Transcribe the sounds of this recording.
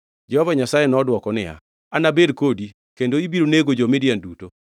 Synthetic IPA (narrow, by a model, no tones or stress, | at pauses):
d͡ʒɛhɔvaɲasajenɔdwɔkɔnɪja̰ | anabedkodi | kendoibiɾoneɡod͡ʒɔmɪdjanduto